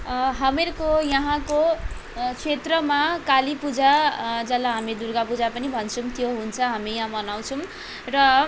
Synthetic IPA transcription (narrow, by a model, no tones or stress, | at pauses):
ɦʌmerkojʌɦãko | t͡sʰet̪rʌmakalipud͡zad͡zʌlːaɦamid̪urɡapud͡zapʌnibʱʌnt͡sʰumt̪joɦunt͡sʰʌɦamijʌ̃ɦãmʌnaw̃t͡sʰʌm | rʌ